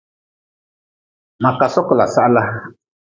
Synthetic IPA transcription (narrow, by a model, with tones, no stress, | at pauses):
ma˨ka˨sɔ˦kɔ˨la̰˨sa˦ʔla˦